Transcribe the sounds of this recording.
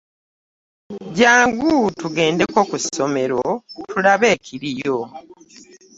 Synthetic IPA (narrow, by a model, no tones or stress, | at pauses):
ɟaːŋɡutuɡe̞ːnde̞ko̞ːkuso̞me̞ɾo̞tʰulaβe̞ːcʰiɾijo